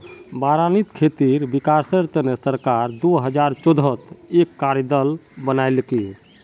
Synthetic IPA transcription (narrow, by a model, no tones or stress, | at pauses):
baɾanit̪kʰet̪iɾbikaɾsəɾt̪ənesəɾkaɾd̪oɦəd͡ʒaɾt͡ʃod̪ʱət̪ekːaɾid̪əlbənajlki